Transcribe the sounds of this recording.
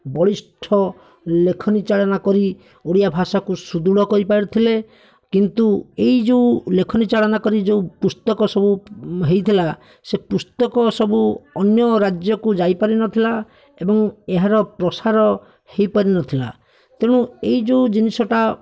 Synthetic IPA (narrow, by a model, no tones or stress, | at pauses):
bɔɽisʈʰɔ | lekʰɔnit͡ʃaɭɔnakɔɾi | oɽijabʱasakusud̪uɽɔkɔɾipaɾit̪ʰile | kint̪uejd͡ʒeulekʰɔnit͡ʃaɭɔnakɔɾid͡ʒeupust̪ɔkɔsɔbuɦejt̪ʰila | sepust̪ɔkɔsɔbuɔnjɔɾad͡ʒjɔkud͡ʒajpaɾinɔt̪ʰila | ebɔŋeɦaɾɔpɾɔsaɾɔ | hejpaɾinɔt̪ʰila̰ | t̪eɽ̃uejd͡ʒeud͡ʒinisɔʈa